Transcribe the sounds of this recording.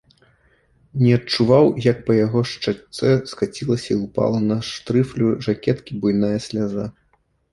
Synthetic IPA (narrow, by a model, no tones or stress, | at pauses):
nʲɛɐt͡ʂuvawjɐk̚pɐjaɣɔʂt͡ʂasɛskat͡sʲilˠɐsʲɐiupa̰lˠɐnɐʂt̪ɾɨflʲuʐakʲɛt̪kʲibujnajɐsʲlʲaza